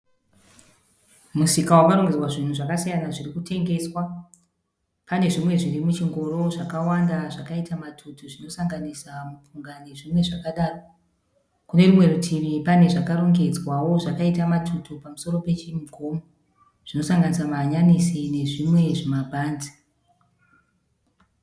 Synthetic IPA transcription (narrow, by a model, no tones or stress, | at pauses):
musikawakaɾo̞ŋɡed͡zwaʐin̤uʐakasijanaʐirikute̞ŋɡe̞swa | pane̞ʐimwe̞ʐirimut͡ʃiŋɡo̞ɾo̞ʐakawandaʐakaitamatʰutuʐino̞saŋɡanisamupuŋɡane̞ʐimwe̞ʐakaɗaːro | kune̞rimwe̞rutʰimipane̞ʐakaɾo̞ŋɡe̞d͡zwawo̞ʐakaitamatʰutʰupamuso̞ɾo̞pe̞t͡ʃimɡʱo̞mo | ʐ̥ino̞saŋɡanisamaːɲanisine̞ʐimwe̞ʐimabʱaːnd͡zi̥